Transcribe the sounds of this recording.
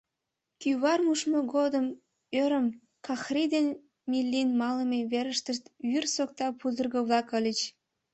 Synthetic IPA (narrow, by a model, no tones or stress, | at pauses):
kyβɑrmuʃmoɣod̪əm | øɾəm | kɑxrid̪en | milːinmɑləmeβeɾəʃt̪əʃt̪βyrsok̚t̪ɑpuzərɣə̆βlɑkəlʲət͡ɕ